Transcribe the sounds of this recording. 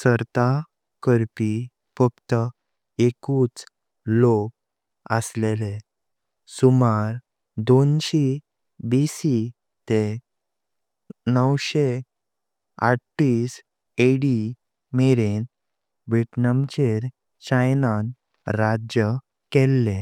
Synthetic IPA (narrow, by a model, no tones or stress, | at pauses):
səɾt̪a | kəɾpi | fək̚t̪ə | ekuːt͡s | lok̚ | ə̰slele | sumaɾ | d̪onɕi | bisi | t̪e | nəwɕe | a̰ʈʈis | eɽi | meɾen | beʈnamt͡ɕeɾ | t͡ɕajnan | ɾad͡ʑjə | kelːe